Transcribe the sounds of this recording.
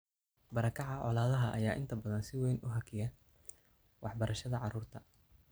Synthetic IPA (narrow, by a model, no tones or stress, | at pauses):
bɐɾɐkʰɑʕɑʕɔ̰laːðɐɦɐʔɐ̰jaːʔɪ̰nt̪ʰɐbɐðɐnsɪwɛjnʊɦɐkʰɪjɐ | wʔɑħbɐɾʔɐʃɐðɐʕɑruːrt̪ʰɐ